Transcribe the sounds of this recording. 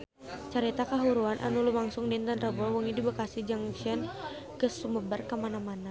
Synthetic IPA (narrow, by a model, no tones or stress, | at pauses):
t͡ʃaɾit̪akaɦuɾuanʔa̰nulumaŋsʊŋdint̪anrəbɔwuŋidibakasihd͡ʒaŋʃɛn | kəsuməbərkamanamana